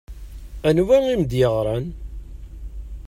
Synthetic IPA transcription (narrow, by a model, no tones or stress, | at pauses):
ænuvæŋimd̪jəʁɾˤɑn